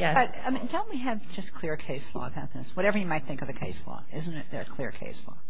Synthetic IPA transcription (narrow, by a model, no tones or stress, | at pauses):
jb̥ʌɾa̰ɪmĩndõʊ̃nʔ̚wiɨvd͡ʒʌskʰl̥ɪɹkʰeɪslɔ̰əbaʊt̪̚ðɪ̃swʌɾɛvə˞jɨmaɪt̪̚θɪ̃ŋkʌvðɨkʰeɪslɔ̰ɪzn̩tɪt̪̚ðə̰˞kʰl̥ɪɹkʰḛɪslɔ̰